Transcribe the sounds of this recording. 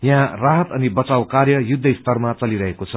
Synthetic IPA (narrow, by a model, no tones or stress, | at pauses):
jãraɦʌt̪ʌnibʌt͡sawkarjʌjud̪ʱːʌist̪ʌrmat͡sʌliɾʌɦekot͡sʰʌ